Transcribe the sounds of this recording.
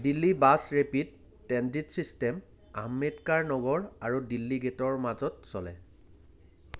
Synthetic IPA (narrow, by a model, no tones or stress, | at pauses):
dilːibasɹepidː | ɛnditsistɛm | a̰mːetkaɹnɔɡɔɹaɹudilːiɡetɔɹmazɔtsɔlɛ̰